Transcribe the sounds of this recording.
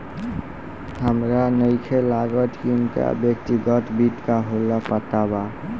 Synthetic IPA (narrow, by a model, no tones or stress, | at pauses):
həmɾanəjkʰelaɡɔʈ̪kinka̰bjək̚t̪iɡɔʈ̪biʈ̪kaɦolapət̪aba